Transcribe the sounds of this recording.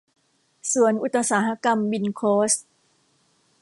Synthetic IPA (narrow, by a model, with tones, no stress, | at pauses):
su˨˩˦ənʔu˨˧˩t̪ːa˧saː˩˦ɦa˧˥ka˧mbi˧nkʰoː˦˥s̚